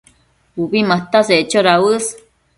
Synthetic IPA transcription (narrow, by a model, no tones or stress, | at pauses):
uβimaht̪aseʔt͡ʃoɾaɨs